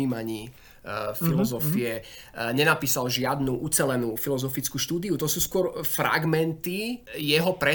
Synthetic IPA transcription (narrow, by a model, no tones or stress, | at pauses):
iːmaɲiː | filɔzɔfiɛɲɛnapiːsalʒɪad̪nuːʔut͡sɛlɛnuːfilɔzɔfit͡skuːʃt̪uːd̪iut̪ɔsuːskʊɔɾfɾa̰ɡmɛnt̪ijɛɦɔpɾɛ